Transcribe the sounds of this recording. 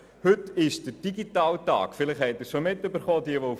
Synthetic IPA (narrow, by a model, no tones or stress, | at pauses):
hɵtɪʃd̥əɾd̥iɡitɑːltɑ̰ːkfɪlɪχhɛɪt̚ɪɾʃomɪtːøbəɾχɔːdiəʋo